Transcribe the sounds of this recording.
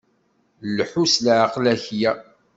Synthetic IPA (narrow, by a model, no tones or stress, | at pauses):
lħuslʕqlæçjæ